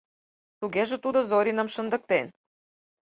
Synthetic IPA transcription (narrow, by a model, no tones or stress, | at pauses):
t̪uɡeʒə̆t̪ud̪əzoɾʲinə̆mʃə̆nd̪ə̆k̚t̪en